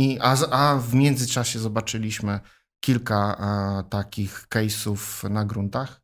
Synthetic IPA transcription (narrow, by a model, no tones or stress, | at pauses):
iʔaʔavmʲjɛnd̪zɘt͡ʂaɕɛzɔbat͡ʂɘlʲiɕmɘ | kʲilkat̪akʲixkɛjsufnaɡɾunt̪ax